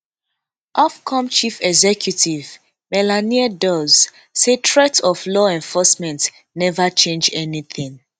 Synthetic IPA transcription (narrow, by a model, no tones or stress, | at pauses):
ʔɔfkʰɔ̃mt͡ʃifɛɡzɛkʰjutiv | mɛlaniadɔz | setʰɹɛtɔflɔɛ̃ɱfɔsmɛ̃nt | nɛvat͡ʃẽnd͡ʒɛniθĩŋ